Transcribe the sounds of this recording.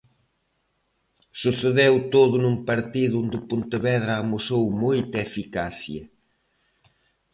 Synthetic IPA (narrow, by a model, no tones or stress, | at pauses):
suθeðewt̪oðʊnumpɐɾt̪iðʊond̪ɪpunt̪eβɛðɾaːmusowmojt̪ɐefikaθjɐ